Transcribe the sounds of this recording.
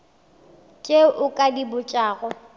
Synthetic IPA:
t͡ʃʼeʊkʼadibʊt͡ʃʼaːɣɔ

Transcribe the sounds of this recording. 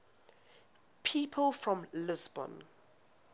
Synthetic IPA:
pʰiːˑpʰəlˠfɹɔ̃mlɪzbə̰̃n

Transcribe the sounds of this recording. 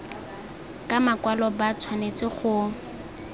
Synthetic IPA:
kʼamakʼwalɔbat͡sʰwanet͡sʼɪχʊ

